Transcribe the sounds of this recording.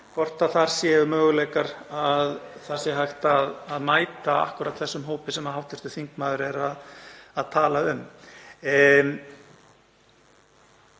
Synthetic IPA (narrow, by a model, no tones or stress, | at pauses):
kʰvɔr̥t̪aðθaɾ̥sjɛʏmœːɣʏlɛːjkaɾaðθḁsɪɦajxt̪aðːðmaːjt̪aa̰hkʏɾat̪θɛsːʏmɦoːwpɪsɛmːaðɦawt̪ɪst̪ʏ̥θiŋkmaːðʏɾɛɾaðaðt̪ʰaːlaʏm